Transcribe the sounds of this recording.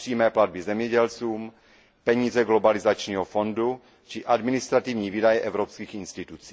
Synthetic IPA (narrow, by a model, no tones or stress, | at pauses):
r̥iːmɛːplad̪̚bizɛmɲɛɟɛlt͡suːm | pɛɲiːzɛɡlo̞balizat͡ʃɲiːɦofo̞ndu | t͡ʃɪʔadmɪnɪst̪ɾat̪ivɲiːvidajɛʔɛvɾopskiːxinst̪ɪt̪ut͡si̥ː